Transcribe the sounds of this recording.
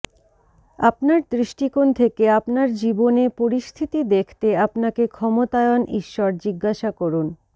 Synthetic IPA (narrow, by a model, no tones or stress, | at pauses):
apnaɾd̪ɾiʃʈikont̪ʰekeapnaɾd͡ʑibonepoɾiʃt̪ʰit̪id̪ekʰt̪eapnakekʰɔmot̪aeonʔḭʃːɔɾd͡ʑiɡːaʃakoɾun